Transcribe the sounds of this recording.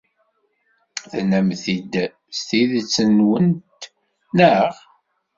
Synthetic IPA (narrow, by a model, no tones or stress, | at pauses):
θnæmθid̪ | st̪iðt͡sːənwənt̪ | nəʁ